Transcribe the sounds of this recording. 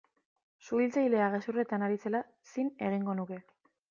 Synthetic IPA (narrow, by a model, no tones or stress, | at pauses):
suilt͡sajle̞aɣe̞sure̞t̪anaɾit͡se̞la | sine̞ɣ̞iŋɡo̞nuke̞